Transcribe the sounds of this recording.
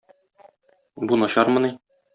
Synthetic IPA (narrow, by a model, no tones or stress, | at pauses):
bunɒɕɑɾmɤ̆ni